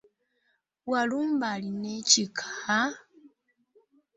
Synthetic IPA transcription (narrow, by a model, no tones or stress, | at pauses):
waluːmbalinecikʰḁha